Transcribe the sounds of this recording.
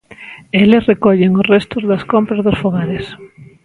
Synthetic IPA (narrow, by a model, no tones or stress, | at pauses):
elesrekɔʎeŋʊsrɛst̪ʊzðɐskompɾɐzðosfoɣaɾes